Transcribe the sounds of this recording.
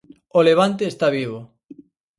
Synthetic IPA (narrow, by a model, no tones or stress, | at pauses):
oleβ̞ant̪̬eːst̪aβ̞iβ̞o